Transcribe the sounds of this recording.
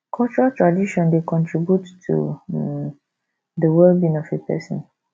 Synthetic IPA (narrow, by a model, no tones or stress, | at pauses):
kʰɔlt͡ʃuɹatʰɹadiʃɔ̃ndekʰɔ̃ntʰɹibjutːʰṵ | dəwɛlbĩnɔfepʰɛ̰sɔ̰̃n